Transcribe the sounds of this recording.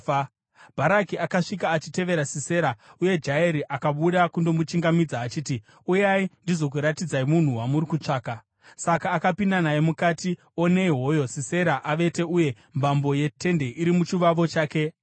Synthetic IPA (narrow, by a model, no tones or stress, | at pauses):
bʱaɾakiakaʂik̬aːt͡ʃite̞ʋe̞ɾasise̞ɾauje̞d͡ʒaeɾiʔakaɓuɗakundo̞mut͡ʃiŋɡamid͡zaːt͡ʃiːti | ujaindizo̞k̬uɾatid͡zaimun̤uwamuɾikut͡ʂaːka | sakaːkapindanajemukaːti | o̞ne̞iɦo̞jo̞sise̞ɾaʔaʋe̞te̞uje̞ | mbambo̞je̞tʰe̞nde̞ʔiɾimut͡ʃiʋaʋo̞t͡ʃaːke̞